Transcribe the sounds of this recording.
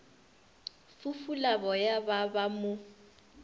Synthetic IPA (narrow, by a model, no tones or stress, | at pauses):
fufulabɔjababamʊ